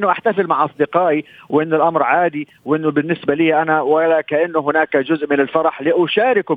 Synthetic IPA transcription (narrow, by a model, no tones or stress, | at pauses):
nːʊʔaħt̪afɪlmaʕʔɑsˤd̪ɪqɑːʔiwʔɪnːʊlʔamɾʕaːd̪i | wʔɪnːʊbɪnːɪsbaliːʔanawalakaʔɪnːʊɦɪnaːkad͡ʒʊzʔmɪnɪlfɑɾˤɑħliʔʊʃaːɾɪkʊ